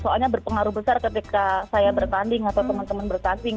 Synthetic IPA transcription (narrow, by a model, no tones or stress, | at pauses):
soalɲabərpəŋaɾubəsarkət̪ikasajabərt̪andɪŋat̪awt̪əmant̪əmanbərt̪andɪŋ